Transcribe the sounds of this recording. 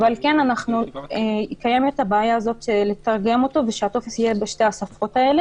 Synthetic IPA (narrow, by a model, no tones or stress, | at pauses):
vealke̞nanaχnueikajemetabeajaːzo̞t̪ʃeletaʁɡe̞mo̞to̞veʃeat̪o̞fe̞sijebeʃte̞hasafo̞tae̞le̞